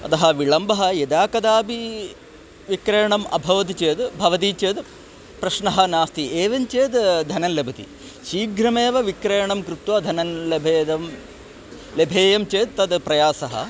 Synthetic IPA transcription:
ɐ̰t̪ɐɦɐʋiɭɐmbɐɦɐjed̪aːkɐd̪aːpi | ʋikɾeːɳɐmʔɐ̰bʱɐʋɐt̪it͡ʃeːd̪bʱɐʋɐt̪̬it͡ʃeːd̪ | pɾɐʃɳɐɦɐnaːst̪ʰieːʋɐnt͡ʃeːd̪d̪ʱɐnɐnlebʱɐt̪ḭ | ʃiːɡɾɐmeːʋɐʋikɾeːɐɳɐmkɾut̪ʋɐd̪ʱɐnɐnlebʱeːd̪ɐm | lebʱeːjɐmt͡ʃeːd̪̚t̪ɐd̪pɾɐjaːsɐɦɐ̰

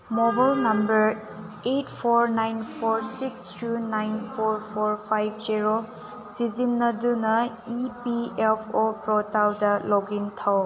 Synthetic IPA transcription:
mɔbajlnɐmbɐɾ | etpʰɔɾnajnpʰɔɾsikstʰunajnpʰoɾpʰɔɾpʰajbʰd͡ʒiɾo | sizinːɐdunɐ | ipiepʰopɾɔtaldɐloɡintʰaw

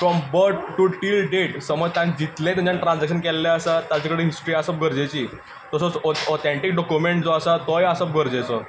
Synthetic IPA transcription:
fɾɔmbəɾʈʈuʈiːlɖeʈsəməd͡zt̪ãnd͡ʑit̪lẽt̪ũɲt͡ɕanʈɾãnd͡zakɕənkɛlːaəsat̪at͡ɕakəɽeɦisʈɾiasəp̚ɡʱəɾd͡ʑet͡ɕiː | t̪əsot͡sɔt̪eɳʈik̚ɖɔkjumeɳʈd͡zɔəsat̪ɔjəsəp̚ɡʱəɾd͡ʑet͡sɔ

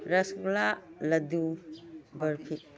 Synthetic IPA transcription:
ɾɐsklalɐdu | bɐɾpʰi

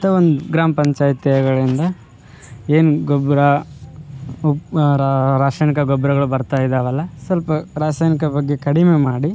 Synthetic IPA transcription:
ɐt̪ːɐond̪uɡɾaːmɐpɐɲt͡ʃaːjt̪ɐɐɡɐɭind̪ɐ | eːnuɡɔbɾɐ | ɾaːʂaːjnikɐɡɔbɾɐɡɐɭubɐɾt̪aːjid̪ɐʋɐlːɐsɐlpɐɾaːsaːjnikɐbɐɡːe̞kɐɽimemaːɽi

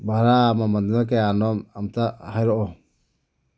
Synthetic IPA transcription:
baɾamamand̪inak̬ɛjanɔmamt̪ahajɾɔʔɔ

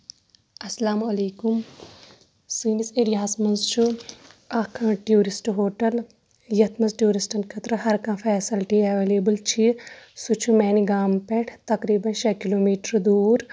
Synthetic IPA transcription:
ɐsɐlaːmɐleːkum | siːniseɾjaːsmɐnzt͡ʃʰuakʰãːʈjuːɾisʈɦoːʈɐl | jɐt̪ʰmɐzʈjuːɾisʈɐnkʰɐt̪ɾɐɦɐɾkãːfʰɛːsɐlʈiɐʋeːleːbəlt͡ʃʰisut͡ʃʰumɛːniɡaːmpẽʈʰt̪ɐkɾiːbɐnʃekiloːmiːʈəɾd̪uːɾ

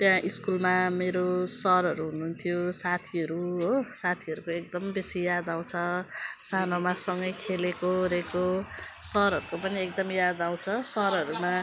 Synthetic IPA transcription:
t̪jãʔiskulmameɾosʌɾʌɾuɦunuːnt̪ʰijosat̪ʰiʌɾuɦosat̪ʰiʌɾukoek̚d̪ʌmbesijad̪aw̃t͡sʰʌsanomasʌŋɡʌjkʰelekoɾekosʌɾʌɾukopʌniek̚d̪ʌmijad̪aw̃t͡sʰʌsʌɾʌɾuma

